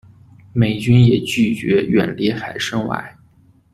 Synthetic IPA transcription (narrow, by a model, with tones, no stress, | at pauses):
me˨˩ɪt͡ɕy˥njɛ˨˩t͡ɕy˥˩t͡ɕɥɛ˧˥ɥɛ̰˨˩nli˧˥xa˨˩ɪʂɤ˥ŋwa̰˧˥˩ɪ